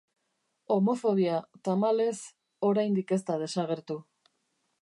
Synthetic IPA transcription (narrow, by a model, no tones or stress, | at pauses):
o̞mo̞fo̞β̞iat̪amale̞s | o̞ɾajnd̪ike̞st̪að̞e̞saɣ̞e̞ɾt̪u